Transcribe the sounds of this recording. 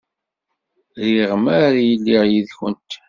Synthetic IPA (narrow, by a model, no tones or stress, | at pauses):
ðiʁəmæɾjəlːiʁjiðçənt̪